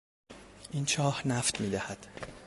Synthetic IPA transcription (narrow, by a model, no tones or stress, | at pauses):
ʔint͡ʃʰɒːhnæft̪miːd̪æhæd̪̥